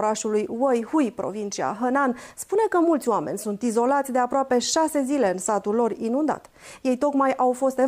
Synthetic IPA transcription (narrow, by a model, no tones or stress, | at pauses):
ɾaʃulujwojhujpɾo̞̰vint͡ʃia̰ɦənanspune̞kəmult̪sʲoame̞̰nʲsunt̪izo̞lat̪sʲd̪e̞apɾoape̞ʃase̞zile̞ɨnsat̪ulːo̞rinund̪a̰t̪ | je̞jt̪o̞kmajʔawfo̞st̪e